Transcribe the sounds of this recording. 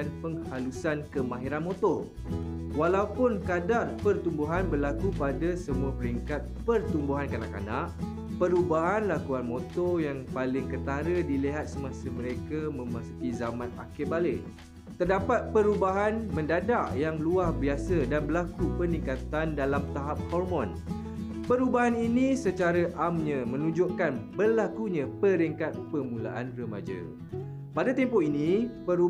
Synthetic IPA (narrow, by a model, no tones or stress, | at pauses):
anpəŋhalusankəmãɦiɾanmot̪ɔ | walaupʊnkadarpərt̪umbuɦanbərlakupadasəmuapəɾiŋkat̪̚pərt̪umbuɦankana̰ʔka̰naʔ | pəɾubaɦanlakuanmot̪ɔjaŋpalɪŋkət̪aɾədiliɦat̪̚səmãsəmə̃ɾekamə̃mãsu̥kizamãna̰kɪʔbale | t̪ərdapat̪̚pəɾubaɦanmə̃ndadaʔjaŋluahbiasədanbəlakupənĩŋkat̪andalamt̪aɦap̚hɔrmɔ̃n | pəɾubaɦaninĩsət͡ʃaɾəʔamɲãmə̃nũd͡ʒoʔkanbəlakuɲãpəɾiŋkat̪̚pəmũla̰ʔanrəma̰d͡ʒə̰ | padat̪ɛmpɔinĩpəɾu